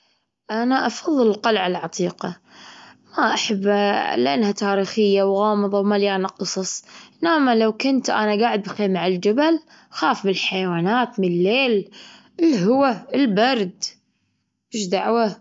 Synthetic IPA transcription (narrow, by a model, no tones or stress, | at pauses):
ʔanaʔɑfɑðˤːɨlqɑlʕalʕɑt̪ˤiːqɑ | maʔaħabːlɪʔa̰nhat̪aːɾiːxɪjːawɣɑːmɨðˤɑwmaljaːnaqɨsˤɑsˤnaːmalawkʊnt̪ʔa̰naɡaːʕɪd̪baxiːmaʕɪld͡ʒabal | xaːfbɪlħajawaːnaːt̪mɪnlːeːl | ɪlːɦʊwaɪlbɑɾˤd̪ | bɪʃd̪aʕwa